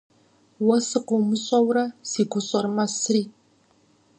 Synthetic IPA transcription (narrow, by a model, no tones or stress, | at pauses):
wɐsɨqʷowmɨɕʼɐwrɐsiːɡʷʊɕʼɐrmɐsɨriː